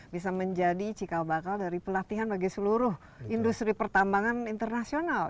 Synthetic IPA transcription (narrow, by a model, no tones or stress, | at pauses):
bisaməɲd͡ʒadit͡ʃikabakaldaɾipəlat̪iɦanbaɡisəluɾʊh | indust̪ɾipərt̪ambaŋanint̪ərnasional